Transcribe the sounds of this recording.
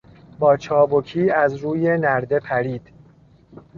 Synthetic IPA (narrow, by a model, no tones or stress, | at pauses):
bɒːt͡ʃʰɒːbokʰiːæzɾuːje̞næɾd̪e̞pʰæɾiːd̪̥